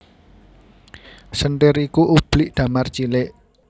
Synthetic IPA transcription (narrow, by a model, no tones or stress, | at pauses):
sənʈɪɾikuʔub̥liʔd̪̥a̤mart͡ʃilɪʔ